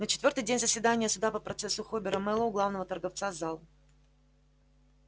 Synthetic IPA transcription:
nət͡ɕɪt̪vʲo̞rt̪əjdʲenʲzəsʲvʲɪd̪anʲɪjəsʊd̪apəpɾʔɐt̪sɛsːʊxobʲɪɾəmɛlˠəʊɡlˠavnəvət̪ərɡɐft̪sazalˠ

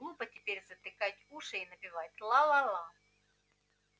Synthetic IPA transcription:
lˠupətʲɪpʲeɾʲzət̪ɨkatʲuʂɨinəpʲɪvatʲlˠalˠalˠa

